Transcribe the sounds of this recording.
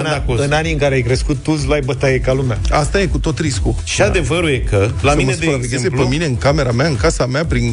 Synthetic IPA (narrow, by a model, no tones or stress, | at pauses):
nakoɨɨnaniɨŋkaɾeajkɾe̞skut̪ːus̬lajbət̪ajekalumaast̪aje̞kut̪o̞t̪ɾisku | ʃiad̪e̞vəɾujekəlamiməspɾaveɡʲezepemine̞ɨŋkame̞ɾameaɨŋkasameapɾin